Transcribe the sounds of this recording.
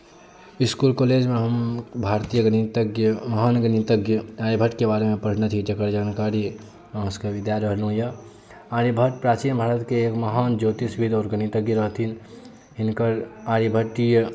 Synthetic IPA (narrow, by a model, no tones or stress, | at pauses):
iskulkoled͡ʒmeɦəmbʱaɾt̪ijəɡnit̪ɡjəməɦanɡənit̪əɡjəaːɾibʱəʈkebaːɾemẽpəɽ̤net̪ʰid͡ʒəkəɾd͡ʒaːnkaɾi | skeʋɪd̪jaɾəɦlɦũjə | aɾibʱəʈpɾaːt͡ʃinbʱaːɾət̪keːkməɦaːnd͡ʒoːt̪isbʱid̪ɔːɾɡənit̪əɡjəɾəɦt̪ʰin | ɦɪnkəɾaːɾibʱəʈijə